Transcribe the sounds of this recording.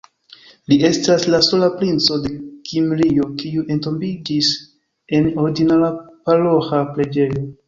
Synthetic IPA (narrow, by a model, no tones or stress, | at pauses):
lie̞staslaso̞lapɾint͡so̞de̞kʰimɾio̞kiuʔe̞nto̞mbid͡ʒis | e̞no̞ɾiɡinalapaɾohxaple̞d͡ʒe̞jo̞